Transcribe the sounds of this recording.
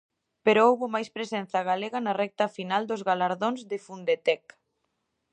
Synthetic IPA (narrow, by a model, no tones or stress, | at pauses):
peɾʊowβʊmajspɾesɛn̟θɐɣaleɣɐnɐrɛk̚t̪ɐfinald̪ʊzɣalaɾðoŋzðɪfund̪et̪ɛk